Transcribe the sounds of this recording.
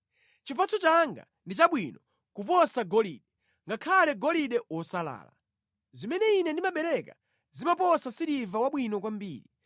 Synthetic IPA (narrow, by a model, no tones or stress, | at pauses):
t͡ʃipat͡sʰɔt͡ʃaŋɡa̰ | ndit͡ʃaɓwinɔ | kupɔsaɡɔliɗɛ | ŋɡakʰalɛɡɔliɗɛwɔsala̰ːla̰ | zimɛnɛinɛndimaɓɛɾɛka̰ | zimapɔsasiɾivawaɓwinɔk̬wambiːɾi